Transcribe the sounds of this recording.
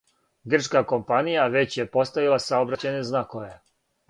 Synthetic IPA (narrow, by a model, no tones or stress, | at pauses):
ɡr̩t͡ʃkako̞mpanijaʋe̞t͡ɕje̞po̞st̪aʋilˠasaobɾat͡ɕajneznakoʋe